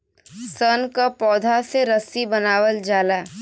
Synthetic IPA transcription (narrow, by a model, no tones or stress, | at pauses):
sənkapɔːd̪ʱaseɾəsibɐnaːwəld͡ʒaːla